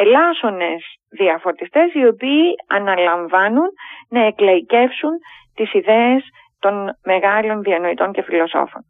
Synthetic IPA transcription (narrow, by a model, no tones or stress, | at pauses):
elɐso̞ne̞z | ðiɐfo̞t̪ist̪e̞sio̞piːɐnɐlɐɱvɐnunːɐe̞klɐice̞fsunt̪isiðe̞es | t̪o̞nme̞ɣɐlo̞nðiɐnoit̪o̞nce̞filo̞so̞̰fo̞̰n